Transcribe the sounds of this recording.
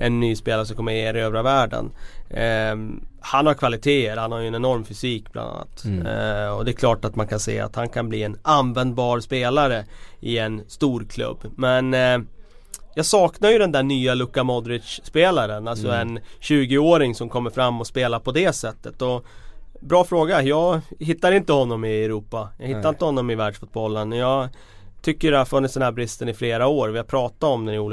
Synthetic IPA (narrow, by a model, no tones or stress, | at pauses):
ɛnːyːspeːlaɾəʂɔmkɔmːəɾjeːɾɪøːvɾavæːɖə̰n | hanhaɾkʰvalɪt̪ʰeːəɾhanhaɾjɵɛnɛnɔɾmfʏsiːk̚blʔa̰nd̪a̰nːa̰t̪ | ɔd̪ɛkʰlɑːʈat̪mankʰansḛːa̰t̪hankʰanbliːɛnanvɛnd̪̚bɑːɾspeːlaɾəʔɪɛnst̪uːɾkʰlɵ̰bːmɛn | jɑːɡsɑːknaɾjɵd̪ɛnd̪æːɳyːalɵkːamɔd̪ɾɪdʂːpeːlaɾənalsɔɛnɕʉ̟ːɡɪoːɾɪŋsɔmkʰɔmːəɾfɾamːɔspeːlaɾpʰɔd̪ɛsɛt̪ːət̪ɔ | bɾɑːfɾoːɡajɑːɡhɪt̪ːaɾɪnt̪əhɔnːɔmɪɛɾuːpːajɑ̰ːɡhɪt̪ːaɾɪnt̪əhɔnːɔmɪvæːɖʂfʊt̪̚bɔlːənɔjɑːɡ | t̪ʰʏkːəɖɛhaɾfɵnːɪt̪sd̪ɛnhæɾbɾɪst̪ənɪfleːɾaoːɾvɪjapʰɾɑːt̪aɔmd̪ɛnɪuːl